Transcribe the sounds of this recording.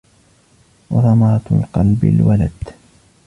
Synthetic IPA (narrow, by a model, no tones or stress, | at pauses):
wɑðˤɑmɑɾˤt̪lqɑlbɪ̰lwalad̪